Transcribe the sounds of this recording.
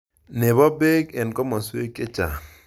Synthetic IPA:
ne˨βɔ˦be˦ke˨nkɔ˦mɔ˨swe˦ke˦t͡ʃa˨

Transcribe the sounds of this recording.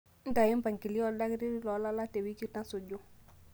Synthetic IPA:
n̩˦ta˨ji˦m˦pa˨ŋki˨li˦ɔ˦da˦ki˦ɾi˦lɔ˨˦la˦la˦te˨wi˦ki˦ta˦so˨d͡ʒo˦

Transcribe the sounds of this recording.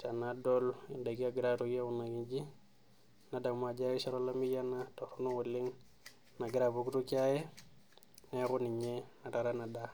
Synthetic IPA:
ta˨na˦dɔli˨nda˨ɡi˦aɡɾaɾuɡa˦u˨na˨ɡi˦nd͡ʒi˦ | na˨da˨ŋma˨d͡ʒa˦i˦sa˦ɾola˦mi˦ja˦na˦to˨ɾu˦nu˦wu˨lːi˦ŋ | na˨ɡiɾa˨bu˨ɡɾu˦ka˦je˦ | ne˦ku˦ni˨ɲena˨ta˨ɾa˦na˨da˦

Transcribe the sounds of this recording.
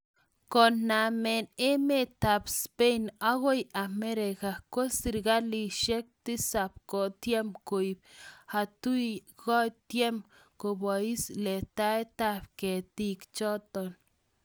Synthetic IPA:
ko˨nːa˨me˨ne˦me˦t̪a˨bspe˦jna˦ɡo˦ja˨me˦ɾe˨ka˨ko˦si˨ɾɡa˦li˧ʃe˦k̚t̪i˦sa˨p̚ko˨t̪je˦mku˨jb̚ha˨t̪u˦jɡo˦t̪je˦m | ko˨ba˨i˦sle˨t̪a˦e˦t̪a˦bke˨t̪i˦kt͡ʃo˦t̪o˨n

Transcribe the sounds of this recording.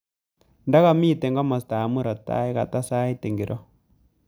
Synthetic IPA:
nda˦ɣa˦˨miː˦˨tɛ˨ŋɡa˦ma˨sta˨mu˦ɾɔ˨ta̰˦i˦ɣa̰˨ta˦sa˦i˦ti˨ŋɡi˨ɾʔɔ˦

